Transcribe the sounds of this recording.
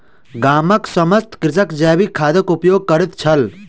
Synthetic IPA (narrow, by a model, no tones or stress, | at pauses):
ɡaːməksɐməst̪kɾɪtəkd͡ʒaːbikʰaːd̪ɐkupjoːɡ̚kɐɾit̪t͡ʃʰɐl